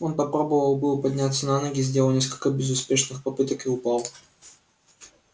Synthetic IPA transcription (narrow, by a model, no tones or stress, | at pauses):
o̞npɐpɾo̞bəvəlˠbɨlˠəpɐdʲnʲat̪sːənanoɡʲɪzʲdʲeəlˠnʲeskəlʲkəbʲɪzʊspʲeʂnɨxpɐpɨt̪əkiʊpɑlˠ